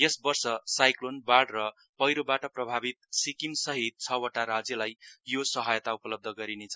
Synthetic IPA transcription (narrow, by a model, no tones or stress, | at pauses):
jesbʌrsʌsajklonbaɽrʌ | pʌjɾobaʈʌprʌbʱabit̪̚sikimsʌɦit̪̚t͡sʰʌwʌʈaɾad͡zjʌlajjosʌɦʌjt̪aupʌlʌb̚d̪ʱʌɡʌɾinet͡sʰʌ